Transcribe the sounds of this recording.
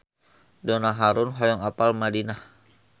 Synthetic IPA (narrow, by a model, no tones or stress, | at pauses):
dɔnaɦaɾʊnɦɔjɔŋapalmadinah